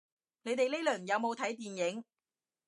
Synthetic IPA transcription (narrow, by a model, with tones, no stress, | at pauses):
ne˨˧jt̪e˨jle˥lœː˨˩ŋjɐ˨˧wmo˨˧wt̪ʰɐ˨˥jt̪iː˨njɪ˨˥ŋ